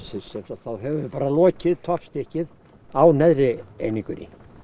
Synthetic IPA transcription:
sɛsɛfaθawɦɛvʏpaːɾalɔːcɪðt̪ʰɔpst̪ɛhcɪð | awnɛðɾɪejnĩŋkʏɾɪ̰

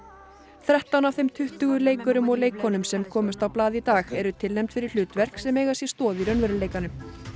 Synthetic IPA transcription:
θɾɛht̪anaw̥θejmt̪ʰʏht̪ʏɣʏleːjkʏɾʏmɔɣleːjkʰɔnʏmsɛmkʰɔːmʏst̪awplaːðit̪aːxɛɾʏt̪ʰɪlnɛjmt̪fɪɾɪɾ̥l̥ʏːt̪vɛr̥ksɛmɛːɣasjɛst̪ɔːðiɾœnvɛɾʏleːjkanʏm

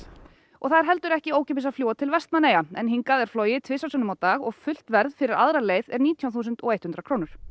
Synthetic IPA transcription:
ɔ̰ɣθaðɪɾ̥ɦɛl̪t̪ʏɾɛhcɪoːwcʰɛp̬ɪsaðflowat̪ʰɪlvɛst̪naneːjaɛnɦiŋkaðɛɾ̥flɔːjɪt̪ʰvɪsasœnʏmawt̪aːɣɔɣfʏl̥t̪vɛɾðfɪɾɪɾaðɾaleːjðɛɾniːt̪ʰjawθuːs̬ɛnt̪ɔɣejt̪hʏnt̪ɾakʰɾoːwnʏɾ̥

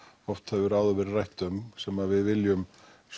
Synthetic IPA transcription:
ɔft̪hɛvʏɾaːwðʏvɛɾrajht̪ʏmsɛmːaðvɪðvɪljʏm | s

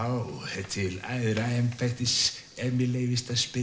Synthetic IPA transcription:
awɛt̪ʰɪla̰jðɾaɛmfaht̪ɪs | ɛmɪlejvɪst̪aspɪ

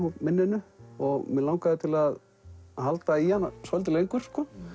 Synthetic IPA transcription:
hupmɪnːɪnʏɔɣmɪðlaːwŋkaðɪt̪ʰɪlað | halt̪aihanːasɔjlt̪̬ɪlejŋkʏɾ̥skɔː

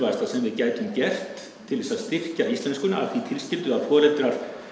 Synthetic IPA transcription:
vast̪asɛmvɪðcaːjt̪ʏmcɛr̥t̪ʰː | ɪlðɛsaðst̪ɪr̥caist̪lɛnskʏna̰a̰θit̪ʰɪlscɪlt̪ʏaðfɔːlɛt̪ɾaɾ̥

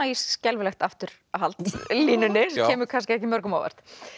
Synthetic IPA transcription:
aiscɛlvʏlɛxt̪aft̪ʏɾ̥ | ɦalt̪liːnʏnːɪscɛːmʏkʰanscɪɛhcɪmœɾkʏmawɛ̰r̥t̪

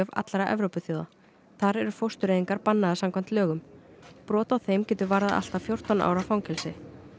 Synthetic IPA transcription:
œva̰t̪laɾaʔɛ̰vɾowpʏθjoða̰ | θaɾɛɾʏ̥fowst̪ʏɾeːðiŋkaɾpanːaðasamkʰvant̪lœːɣʏmpɾɔːt̪awθejmcɛːt̪ʏɾvaɾðaðʔa̰l̥t̪afjow̥t̪ɔnʔa̰ːwɾafawŋcʰɛlsɪ

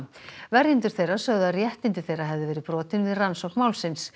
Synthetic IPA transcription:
vɛɾjɪnt̪ʏ̥θejrḁsœɣðarjɛht̪ɪnt̪ɪ̥θejraɦɛvðʏvɛːɾɪpɾɔːt̪ɪnvɪðransɔwhknmawlsɪns

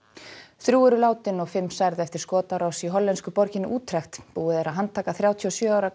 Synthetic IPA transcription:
θɾjuːɛɾʏlaːwt̪ɪnɔɣfɪmːsajɾðɛft̪ɪɾ̥skɔːt̪aɾawsiɦɔlːɛnskʏpɔɾcɪnːɪʔuːt̪ʰɾɛxt̪puːɪðɛɾaðɦant̪ʰaːkaθɾjaːwt̪ʰiɔsjœːaːwɾa

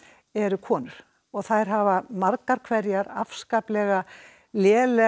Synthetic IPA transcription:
ɛɾʏkʰɔːnʏɾ̥ | ɔɣθajɾ̥ɦavamaɾkaɾ̥kʰvɛɾjaɾafskaplɛɣa | ljɛːlɛ

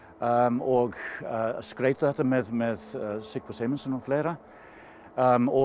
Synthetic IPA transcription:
ɔɡəskɾeɪt̪əðɛt̪ːəmeːðmeːðsɪɡ̥fɔseɪməl̩sənɔfleːɾə | əɔ

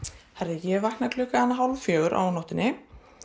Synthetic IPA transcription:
θaɾðɪjɛvaknaklʏːkaanːaɦawlvfjœːɣʏɾʔa̰wnɔwht̪ɪnːɪ

